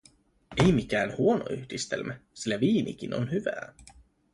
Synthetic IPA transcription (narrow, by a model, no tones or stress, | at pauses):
ejmikæːnhuo̞no̰yhdist̪ḛlmæsilːæʋiːnḭk̟ino̞̰nhyʋæ̰ː